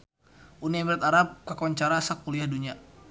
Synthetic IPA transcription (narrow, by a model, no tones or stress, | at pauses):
ʔuniamiɾat̪aɾap̚kakawaɲt͡ʃaɾasak̚puliahduɲia